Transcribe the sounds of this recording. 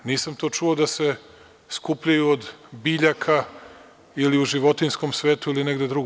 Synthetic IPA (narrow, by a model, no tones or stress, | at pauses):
niːsamt̪o̞ːt͡ʃuod̪ase̞ | skupʎajuod̪biːʎakʰa | iliuʒiʋo̞t̪insko̞msʋe̞ːt̪uilineɡd̪ed̪ɾuɡo